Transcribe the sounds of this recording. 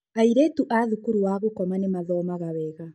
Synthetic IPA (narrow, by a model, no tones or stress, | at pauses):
aiɾetuʔaðukuɾuwaːβokɔmanemaðɔːmaɣaβɛːɣa